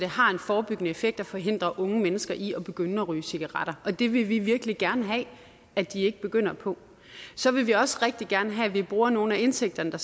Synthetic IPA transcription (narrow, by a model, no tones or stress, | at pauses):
d̥ehɑ̈e̝nfɒːb̥yɡ̥ənəefeɡ̥̚d̥æfɒ̽ɦe̝n̰d̥ʁɐʔɔ̽ŋəmenəsɡ̥ɐʔiɒ̽b̥e̝ɡ̥ønəɒʁy̰ːsiɡ̥ɑʁɑɾ̥ɐɒ̽d̥e̝ʋe̝ʋiʋiɐɡ̥liɡ̥æɐnəɦɛ | æd̥ie̝ɡ̥əb̥e̝ɡ̥øn̰ɐpʰɒ̽ | sɒ̽ʋe̝ʋiɒ̽sʁɛɡ̥̚d̥iɡ̥æɐnəɦɛʋib̥ʁuːɐno̝ːn̩æe̝nseɡ̥̚d̥ɐnəd̥ɑ̈